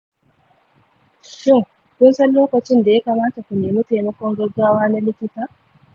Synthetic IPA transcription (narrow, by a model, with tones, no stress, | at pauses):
ʃɪ˦˨ŋ | kʷʊ˦nsɐ˦nloː˦kɐ˨t͡ʃɪ˦nda˨ja˦kɐ˨maː˦ta˨kʷu˨neː˨mu˦ta˨jmɐ˦kʷɔ˦ŋɡɐ˦ɡaː˦waː˦na˦lɪ˦kʲɪ˦taː˨ʔ